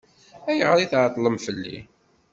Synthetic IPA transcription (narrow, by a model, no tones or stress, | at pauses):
æjəʁəɾiθʕt̪ˤːləmfəlːḭ